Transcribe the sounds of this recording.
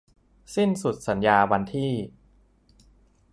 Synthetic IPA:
si˥˩nsu˨˩t̪̚sa˩˦njaː˧wa˧nt̪ʰiː˥˩

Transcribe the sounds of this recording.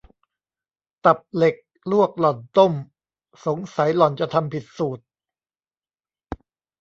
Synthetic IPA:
t̪a˨˩p̚le˨˩k̚ | lu˥˩ək̚lɔ˨˩nt̪o˥˩m | so˩˦ŋsa˨˩˦jlɔ˨˩nt͡ɕa˨˩t̪ʰa˧mpʰi˨˩t̪̚suː˨˩t̪̚

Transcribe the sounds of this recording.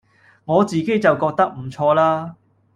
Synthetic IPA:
ŋɔː˨˧t͡siː˨ke˥jt͡sɐ˨wkɔː˧k̚t̪ɐ˥k̚m̩˨˩t͡ʃʰɔː˧laː˥

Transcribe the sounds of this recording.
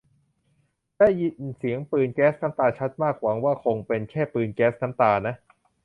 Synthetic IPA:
lɛː˦˥˩ji˨˩nsi˩˦əŋpɯː˧nkɛː˦˥sna˦˥mt̪aː˧t͡ɕʰa˦˥t̪̚maː˥˩k̚wa˩˦ŋwaː˥˩kʰo˧ŋpe˧nkʰɛː˥˩pɯː˧nkɛː˦˥sna˦˥mt̪aː˧na˦˥ʔ

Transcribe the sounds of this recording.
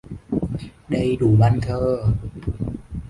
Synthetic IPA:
da˧˩jduː˨˩ma˧˨nk̪ʰɤː˧˩

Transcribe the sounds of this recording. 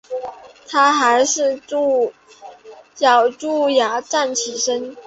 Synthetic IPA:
t̪ʰa˥xa˧˥ɪʂɻ̩˥˧˥ | jɑ˨˩ʊʈ͡ʂu˥˩ja˧˥ʈ͡ʂa˥˩nt͡ɕʰi˨˩ʂə˥n

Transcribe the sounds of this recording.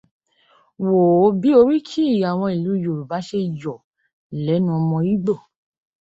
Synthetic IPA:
wo˨˦bi˨˦o˧ɾi˦kʰi˦i˦˨a˨w̃ɔ̃˧i˨lu˨˦i˦˨jo˨ɾu˨ba˨˦ʃe˦˨jɔ˨ | lɛ˨˦nũ˦ɔ˧mɔ̃˧i˨˦ɡ͡bo˦˨

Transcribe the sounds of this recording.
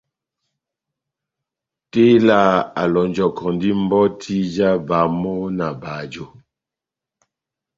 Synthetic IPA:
te˦la˦˨a˨lɔ˨ɲ˨d͡ʒɔ˨kʰɔ˨ndi˦m̩˦bɔ˦tʰi˦d͡ʒa˦ba˨mɔ˦na˨ba˨d͡ʒo˨

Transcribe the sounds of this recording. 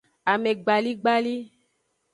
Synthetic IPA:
a˨me˨ɡ͡ba˨li˦ɡ͡ba˦li˦

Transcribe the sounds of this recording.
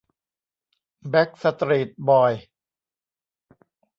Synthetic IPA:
bɛ˦˥k̚sa˧t̪ɾi˨˩t̪̚bɔː˨˩j

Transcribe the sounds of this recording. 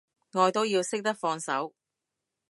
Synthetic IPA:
ŋɔː˨˧jt̪o˥wjiː˧wsɪ˥k̚t̪ɐ˥k̚fɔː˧ŋsɐ̰˨˥w

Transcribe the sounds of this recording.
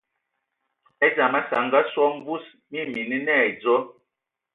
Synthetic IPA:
ɛ˦d͡ʒa˨ma˦sa˨ŋɡa˦swɔ˦m˦bu˦s | mi˦mi˨ni˦nɛ˦˨d͡zɔ˦

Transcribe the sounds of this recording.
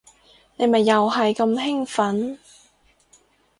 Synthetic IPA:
ne˨˧jmɐ˨˩jːɐ˨whɐ˨jkɐ˧mɦɪ˥ŋfɐ˨˥n

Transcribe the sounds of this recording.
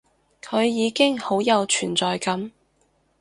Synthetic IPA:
kʰɵ˨˧ɥjiː˨˧kɪ˥ŋho˨˥wjɐ˨˧wt͡ʃʰyː˨˩nt͡sɔː˨jkɐ˨˥m

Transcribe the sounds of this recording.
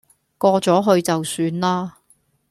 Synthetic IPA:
kɔː˧t͡sɔː˨˥ɦɵ˧ɥt͡sɐ˨wsyː˧nlaː˥

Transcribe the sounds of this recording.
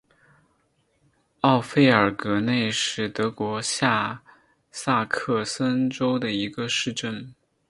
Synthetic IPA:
ɑ˥˧ʊfe˥ɪə˞˨˩kɤ˧˥ne˥˧ɪʂɻ̩˥˩t̪ɤ˧˥kwɔ˧˥ɕja˥˧ | sa˥˧kʰɤ˥˧sə˥nʈ͡ʂo˥ʊd̪ə˨i˧˥ɡə˧ʂɻ̩˥˧ʈ͡ʂə˥˩n

